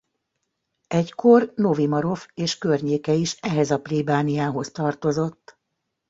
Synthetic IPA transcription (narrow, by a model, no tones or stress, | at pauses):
ɛckʰo̞rno̞vimɒɾo̞feːʃkørɲeːkɛiʃɛɦɛzɒplibaːnijaːɦo̞st̪ɒrt̪o̞zo̞t̪ː